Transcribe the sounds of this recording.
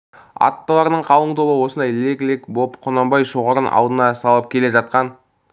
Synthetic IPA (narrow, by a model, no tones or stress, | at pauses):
ɑ̰t̪ːəlˠɑɾənəɴqʰɑlˠəɴt̪ʰo̞bəwo̞sənd̪ɑjleɡʲlekbo̞pqʰonɑmbɑjʃo̞ʁɑɾənʔɑ̰lˠd̪ənɑsɑlˠəp̚kʲʰe̞le̞ʒɑt̪̚qɑn